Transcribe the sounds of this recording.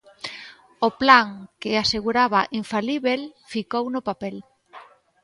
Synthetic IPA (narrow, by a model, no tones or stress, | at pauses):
ʊplaŋkɪaseɣuɾaβaʔiɱfaliβelfikownʊpapɛl